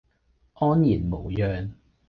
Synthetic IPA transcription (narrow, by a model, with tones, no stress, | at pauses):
ʔɔː˥njiː˨˩nmo˨˩wjœː˨ŋ